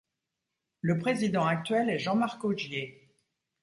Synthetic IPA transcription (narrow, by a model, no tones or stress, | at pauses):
ləpχezid̪ɑ̃ak̚t̪ɥɛlɛʒɑ̃maʁkoʒje